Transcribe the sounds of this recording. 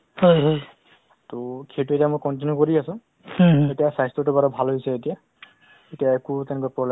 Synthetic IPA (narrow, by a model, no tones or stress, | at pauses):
hojɦoj | tokʰetuetijamojkɔnt̬injukoɹiasʊ̃ | etijasajstɔtʊbaɹɔbʱalɦojsɛetija | etijaekutɛnɛkɔapɹɔble